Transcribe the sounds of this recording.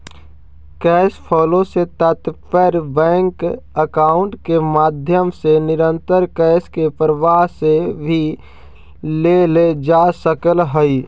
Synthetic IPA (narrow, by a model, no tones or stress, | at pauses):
kɛːspʰɔːlõset̪ət̪pəɾbɛ̃ːŋkəkaːʊ̃ɳʈkemaːd̪ʱjəmsenɪɾə̃nt̪əɾkɛːskepɾəʋaːɦsebʱi | leled͡ʒaːsəkəlɦəi